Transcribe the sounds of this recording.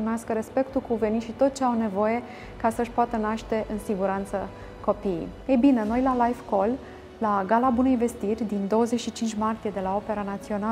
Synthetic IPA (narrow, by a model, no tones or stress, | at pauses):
imeaskəɾe̞spe̞kt̪ukuve̞nit̪ʃit̪o̞t̪̚t͡ʃeawne̞vo̞je̞ | kasəʃpoat̪ənaʃt̪e̞ʔɨnsiɡuɾant̪sə | ko̞pijḛjebine̞no̞jlalajvko̞lː | aɡalabune̞jve̞st̪irʲd̪ind̪o̞wəze̞t͡ʃʃit͡ʃint͡ʃʲmart̪ije̞d̪e̞lao̞pe̞ɾanat̪sio̞na